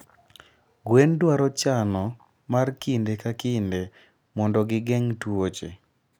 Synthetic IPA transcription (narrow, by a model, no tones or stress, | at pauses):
ɡwendwaɾɔt͡ʃanɔ | markindekakɪnde | mɔndɔɡɪɡɛŋtwot͡ʃe